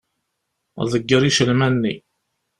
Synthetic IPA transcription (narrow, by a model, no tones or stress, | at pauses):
ðəɡːəɾiʃəlmænːi